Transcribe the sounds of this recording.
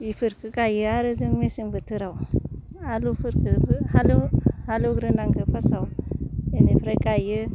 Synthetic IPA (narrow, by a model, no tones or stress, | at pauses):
bifuɾkəkajəaɾəziŋmesinvətiɾawualufuɾkəhaluhaluɡɾinaŋɡəfasawenipɾakajə